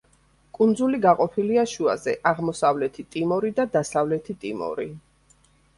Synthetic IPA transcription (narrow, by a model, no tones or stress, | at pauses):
kʼund̪zuliɡaqʼɔpʰiliaʃua̰zɛʔaʁmɔsavlɛt̪ʰit̪ʼimɔɾid̪ad̪asavlɛt̪ʰit̪ʼimɔ̰ɾi